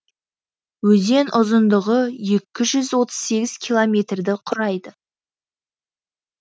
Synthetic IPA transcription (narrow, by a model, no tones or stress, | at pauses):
wɵze̞nʔʊzənd̪əʁəje̞kʲːɪʒʏzwo̞t̪ə̥z̥se̞ɡʲɪz̥kʲʰilˠomʲe̞t̪rd̪ɪqʰʊɾɑjd̪ə